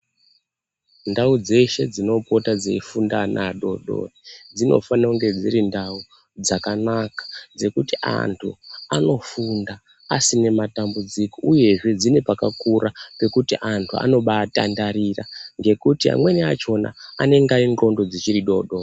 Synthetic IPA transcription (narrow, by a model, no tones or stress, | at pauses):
ndaud͡ze̞ʃe̞d͡zino̞po̞tad͡zeifundanʔaɗo̞̰ɗo̞̰rid͡zino̞̰fanauŋɡe̞d͡ziɾindau | d͡zakanakḁd͡ze̞kutiʔa̰ntʰṵano̞funda | asine̞matambud͡ziko̞uje̞ʐe̞d͡zinepakakuɾape̞kutiʔantʰua̰no̞ɓata̰ndaɾira̰ŋɡe̞kutia̰mwe̞niat͡ʃo̞na̰ane̞ŋɡainro̞ndo̞d͡zit͡ʃiɾiɗo̞ɗor